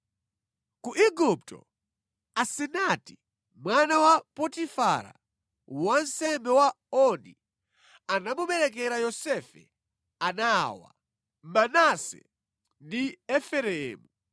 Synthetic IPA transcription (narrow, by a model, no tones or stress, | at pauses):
kuʔiɡup̚tɔ̰ | asɛnati̥ | mwanawapɔtifaɾa̰ | wan̩sɛmbɛwa | ɔni | anamuɓɛɾɛkɛɾajɔsɛfɛ̰ | anawa̰ | manasɛ̰ | ndiɛfɛɾɛːmu